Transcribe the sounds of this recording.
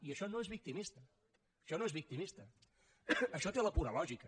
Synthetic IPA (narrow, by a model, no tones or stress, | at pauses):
iəʃɔnoezβik̚t̪imist̪əː | ʃɔnoezβik̚t̪imist̪ə | əʃɔt̪eləpuɾəlɔʒikə